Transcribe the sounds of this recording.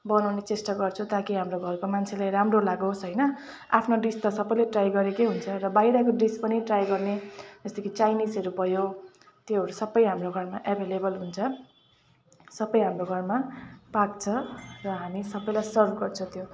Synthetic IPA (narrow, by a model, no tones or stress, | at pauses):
bʌnawnet͡sesʈʌɡʌrt͡sʰũt̪akiɦamroɡʱʌrkomant͡sʰelajɾamrolaɡoɦsɦʌjnʌ | apʰnoɖist̪ʌsʌbʌjleʈrajɡʌɾekeɦunt͡sʰʌrʌbaijɽʌkoɖispʌniʈrajɡʌrned͡zʌst̪ʌkʰit͡sajnisʌɾupʌjo | t̪eɦʌɾusʌbːʌjɦamroɡʱʌrmaʔabʱelebʌlɦunt͡sʰʌ | sʌbʌjɦamroɡʱʌrmapak̚t͡sʰʌrʌɦamisʌbʌjlajsʌrbʱɡʌrt͡sʰʌt̪jo